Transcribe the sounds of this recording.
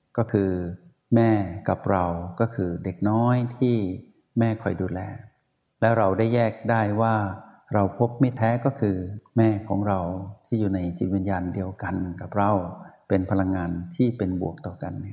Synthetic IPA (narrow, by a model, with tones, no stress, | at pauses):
kɔː˥˩kʰɯː˧ | mɛː˥˩ka˨˩p̚ɾa˧wkɔː˥˩kʰɯː˧de˨˩k̚nɔː˦˥jt̪ʰiː˥˩ | mɛː˥˩kʰɔ˨˩jduː˧lɛː˧ | lɛː˦˥wɾa˧wda˥˩jːɛː˥˩k̚daː˥˩jwaː˥˩ | ɾa˧wpʰo˦˥p̚ma˥˩jt̪ʰɛː˦˥kɔː˥˩kʰɯː˧mɛː˥˩kʰɔː˩˦ŋɾa˧wt̪ʰiː˥˩juː˨˩na˧jt͡ɕi˨˩t̪̚wi˧njaː˧ndi˧əwka˧nka˨˩p̚ɾa˧wpe˧npʰa˧la˧ŋːaː˧nt̪ʰiː˥˩pe˧nbu˨˩ək̚t̪ɔː˨˩ka˧nːi˥˩ɐ